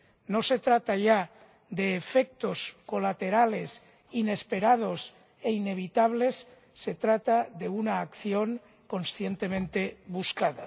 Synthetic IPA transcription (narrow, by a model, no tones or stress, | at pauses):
no̞se̞t̪ɾat̪aʝa | d̪eːfek̚t̪o̞sko̞lat̪e̞ɾale̞s | ine̞spe̞ɾað̞o̞s | e̞ine̞β̞it̪aβ̞le̞sː | e̞t̪ɾat̪aðe̞unaːkθjo̞ŋ | ko̞nsθje̞nt̪e̞mẽnt̪e̞βuskaða